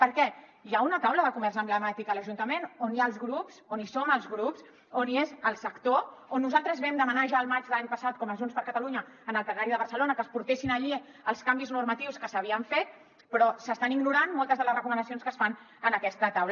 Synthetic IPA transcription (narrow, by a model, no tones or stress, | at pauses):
pəɾkɛjaunət̪awləðəkumɛrsəmbləmat̪ikələʒunt̪əmenoniaəlˠzɣɾupsonisoməlˠzɣɾups | oniezəlˠsəkt̪oonːuzalˠt̪ɾəzβɛmd̪əmənaʒaəlˠmad͡ʒðəlaɲpəsat̪̚kɔməzunspəɾkət̪əluɲəːnəlˠt̪ənaɾiðəβ̞əɾsəlonəkəspuɾt̪esinəʎi | əlˠskambiznuɾmət̪iwskəsəβiəɱfet̪̚ | pɾɔsəst̪aniɡnuɾanmɔlˠt̪əzðələzrəkumənəsionskəsfan | ənəkɛst̪ət̪awl